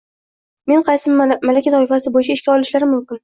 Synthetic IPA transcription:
me̞nqʰɑjsɪmalakʲat̪ʰɒɪfasɪbojɪt͡ʃʰaɪʃkʲaɒlˠɪʃlaɾɪmʊmkʲɪn

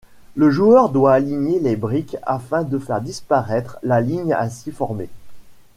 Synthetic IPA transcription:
ləʒuœʁd̪waːliɲelebʁika̰fɛ̃d̪əfɛʁd̪ispaʁɛt̪χlaliɲa̰sifɔʁme

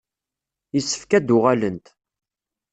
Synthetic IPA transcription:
jisːə̥fkæd̪ʊʁælənt̪

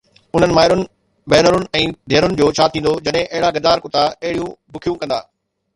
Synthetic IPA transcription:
ʊn̤ənɪ̆maːɪɾʊnɪ̆ | bɛːnəɾʊnɪ̆ɛ̃ːd̪ʱeːɾʊnɪ̆d͡ʑoːt͡ɕʰaːt̪ʰĩːnd̪od͡ʑɐɗɦɪ̃ʔɐɦɪɽaɡɐd̪aːɾkʊt̪aɐɦɪɽijũbʊkʰijũkɐ̃nd̪a̰ː

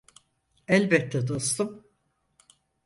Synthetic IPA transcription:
ɛlʲbɛt̪ʰːɛd̪ost̪ɯm

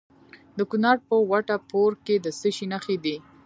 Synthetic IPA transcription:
d̪əkunɑɾpəwaʈapoɾked̪əsəʃinaxed̪i

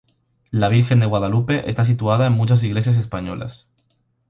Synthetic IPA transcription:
laβ̞iɾxe̞nd̪e̞ɣwað̞alupeʔe̞st̪as̬it̪uaðaenmũt͡ʃas̬iɣle̞sjas̬espaɲo̰la̰s

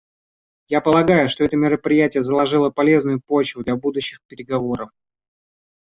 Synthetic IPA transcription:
japəlˠɐɡajʊʂt̪oɛt̪əmʲɪɾəpɾʲɪjætʲɪjəzəlˠɐʐɨlˠəpɐlʲeznʊjʊpo̞t͡ɕvʊd̪lʲɐbud̪ʊɕːɪxpʲɪɾʲɪɡɐvo̞ɾəf

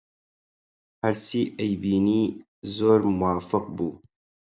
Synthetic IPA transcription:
hɐɾsiːʔɐjbiːniː | zoːɾmʊwaːfɨqbuː

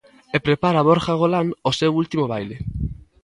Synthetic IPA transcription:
epɾepaɾaβ̞oɾxaɣ̞olanosewult̪imoβ̞ajle

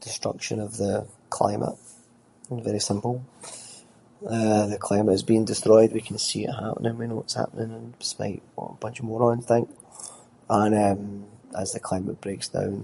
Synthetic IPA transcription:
d̥ɪstɹ̥ʌ̰kʃə̰̃nəvðə | kʰl̥ˠã̰ɪ̃mʔə̰ʔ | vɛɹisɪ̃mpəlˠ | ʌðəkʰl̥ãɪ̃məʔɪzbiɪ̃ŋdɪstɹ̥ɔɪd̚wikʰə̃nsiɪ̰ʔɦa̰ʔənʔɪ̃ŋwinowɔtsha̰pənɪ̃ŋə̃ndɪ̥spa̰ɪʔwɔ̰əb̥ʌ̃nt͡ʃəvmɔɹə̃ñnθɪ̃ŋk | ə̃nʌ̃məzðəkʰl̥ãɪ̃məʔb̥ɹeksd̥ã̰ʊ̃n

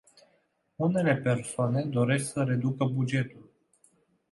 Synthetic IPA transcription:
une̞le̞pe̞rsoane̞d̪o̞ɾe̞sksəɾe̞d̪ukəbud͡ʒe̞t̪ul

